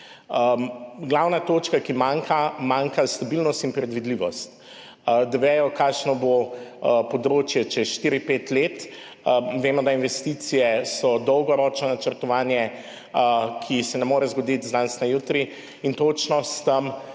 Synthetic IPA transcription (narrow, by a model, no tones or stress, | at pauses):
ɡlawnat̪oːt͡ʃkakimaŋkʰamaŋkast̪abilnɔst̪inpɾɛd̪ʋid̪liːʋɔst̪ | d̪aʋɛːjɔkaːkʃnɔbopɔd̪ɾoːt͡ʃjɛt͡ʃɛʃt̪iːɾipeːt̪leːt̪ | ʋeːmɔd̪ainʋɛst̪isijɛsɔd̪ɔwɡɔɾɔːt͡ʃnɔnat͡ʃəɾt̪ɔʋaːnjɛ | kʰisɛnɛmoːɾɛzɡɔd̪it̪zd̪ansnajut̪ɾi | int̪ot͡ʃnɔst̪əm